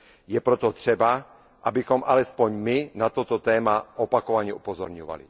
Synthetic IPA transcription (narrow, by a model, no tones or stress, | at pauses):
jɛpɾot̪ot̪r̝̥ɛba | ʔabɪxomʔalɛspoɲmɪnat̪ot̪ot̪ɛːmaʔopakovaɲɛʔupozoɾɲova̰lḭ